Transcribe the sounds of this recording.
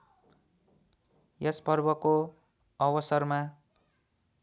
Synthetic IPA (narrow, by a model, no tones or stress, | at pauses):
jʌspʌrbʌko | ʌbʌsʌrma